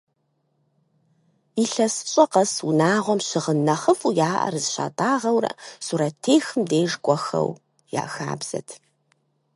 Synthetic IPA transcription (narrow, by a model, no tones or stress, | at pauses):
iːɬɐsɨ̥ɕʼɐqɐsunaːʁʷɔmɕɪʁənːɐχəfujaːʔɐ̰rɨzɕa̰ːtʼaːʁɐwrɐ̰suːɾɐtʰeːxɨmdeːʒɡʷʼɔxɐ̰w | ja̰ːxa̰ːbz̥ɐ̰tʰ